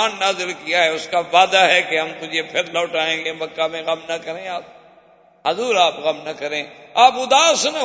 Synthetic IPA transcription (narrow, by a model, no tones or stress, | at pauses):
aːnnaːzɪlkijaɦɛʊskaʋaːd̪aɦɛkeɦɐmk̪ʊd͡ʒepʰɪɾlɔːʈaːẽːŋɡebɐkːamẽɣɐmnɐkɐɾẽːaːp̚ | ɦɐzuːɾaːpɣɐmnɐkɐɾẽːaːpʊd̪aːsnɐ